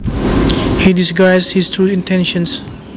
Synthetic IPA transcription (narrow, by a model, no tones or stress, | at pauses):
hidisɡaɪshistʰɹuĩntʰɛ̃nʃə̃ns